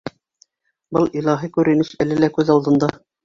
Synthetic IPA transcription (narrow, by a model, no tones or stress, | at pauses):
bɤlˠilˠɑɦikʉɾɘ̆nɘʃælɘlækʉðɑlˠd̪ɤ̆nd̪ɑ